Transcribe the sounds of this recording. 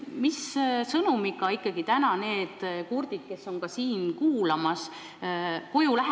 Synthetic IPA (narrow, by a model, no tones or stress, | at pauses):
missɤnumiɡɑikːˑɑɡit̪ænɑne̞ːd̪̥kurd̪̥id̪̥̚ke̞sːo̞ŋkɑsiːnkuːlɑmɑs | kojulæɦ